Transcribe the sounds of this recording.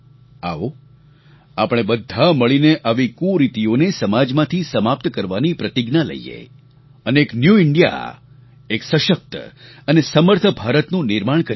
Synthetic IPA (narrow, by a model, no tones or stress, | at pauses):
a̰o | apɽ̃ebəd̪ʱːaməɭineʔaʋikũɾit̪ionesəmad͡ʒmãt̪ʰisəmap̚t̪kəɾʋanipɾət̪ɪɡnalə̰ijḛ | əneːknjuɪɳɖija̰ | eksəʃək̚t̪ənesəməɾt̪ʰəbʱaɾət̪nũnɪɾmaɳ̃kə